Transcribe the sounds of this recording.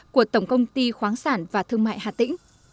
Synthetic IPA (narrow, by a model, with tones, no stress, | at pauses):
ku˧˩ət̪ə˧˩wŋ͡mkə˧wŋ͡mt̪i˧xwaː˨˦nsaː˧˩nvaː˨˩t̪ʰɨ˧əŋma̰ː˧˨jhaː˨˩t̪ḭ˧˥ŋ̟